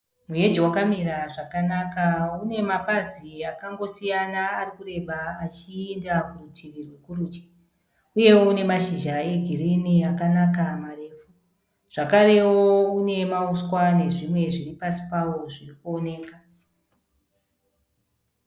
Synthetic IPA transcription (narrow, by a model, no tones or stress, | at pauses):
muje̞d͡ʒiwakamiraʐakanakaune̞mapaziakaŋɡo̞sijanaːrikure̞ɓaːt͡ʃiendakurutʰiʋirwe̞kurut͡ʃi̥ | uje̞woune̞maʃiʒae̞ɡʱiriniakanakamare̞ːfu | ʐ̥akaɾe̞woune̞mauskwane̞ʐimwe̞ʐiripasi̥pawo̞ʐirikuo̞ne̞ːka